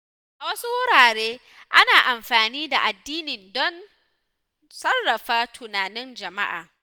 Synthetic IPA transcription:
ʔa˨wɐ˦su˦wʊ˦ɾaː˨ɽeː˦ | ʔa˦naː˨ʔa˨mɸaː˨niː˦da˨ʔa˨dːiː˦nɪ˨ndɔ˦n | sɐ˦rːɐ˨ɸaː˦tʰʊ˨naː˨nɪ˦nd͡ʒɐ˨ma˦ʔa̰ː˨

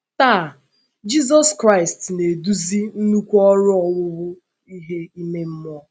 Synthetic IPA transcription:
ta˦˨ | d͡ʒi˦z̬ɔ˦skɾa˦ɪ˨stne˨du˦zi˦n̩˦nu˦kʷɔ˦ɾʊ˦ɔ˨wʊ˦ɣʊ˦ | i˦ɦe˦i˦me˦m̩˦mɔ˦

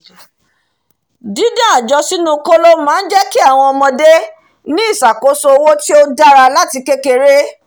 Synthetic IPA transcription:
dĩ˨˦dã˦˨a˨d͡ʒɔ˧si˦nũ˦ko˦lo˦mãː˨˦n̩˦d͡ʒɛ˦ki˦a˦˨w̃ɔ̃˧ɔ˧mɔ̃˧de˦ | nĩ˦i˦˨sa˨ko˨˦so˧o˧wo˦ti˦o˦da˦ɾa˧la˦ti˧ke˦ke˧ɾe˦

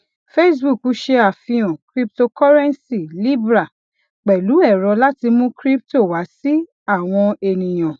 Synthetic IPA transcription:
fe˦s̬bu˦˨ku˦ʃe˧a˨fĩ˧ɔ̃˨kɾi˦p̚to˧kɔ˦ɾɛ̃˦nsi˦˨li˦bɾa˨ | k͡pɛ˨lu˨˦ɛ˦˨ɾɔ˧la˦ti˧mũ˦kɾi˦p̚to˦˨wa˨˦si˦ | a˦˨w̃ɔ̃˧e˨˧nĩ˨j̃ã˨

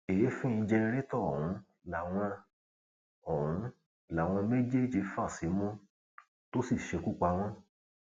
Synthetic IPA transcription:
e˨je˨˦fĩ˦ĩ˧d͡ʒɛ˧ɾe˦tɔ˦˨hũ˨˦ | la˨w̃ɔ̃˧ | ɔ˦˨ɾũ˨˦ | la˨w̃ɔ̃˧me˦d͡ʒe˦d͡ʒi˧fa˦˨si˨˦mũ˦ | to˦si˦˨ʃe˧ku˦k͡pa˧w̃ɔ̃˦

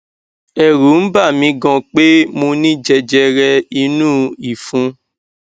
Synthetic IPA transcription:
ɛ˨ɾu˨˦n̩˦ba˦˨mĩ˧ɡɔ̃˧k͡pe˦mõ˧nĩ˦d͡ʒɛ˧d͡ʒɛ˧ɾɛ˧i˧nũ˦i˨fũ˨˧

